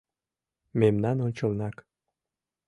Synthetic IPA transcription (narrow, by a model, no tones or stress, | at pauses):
memnænonʲt͡ɕɤ̆lnɑk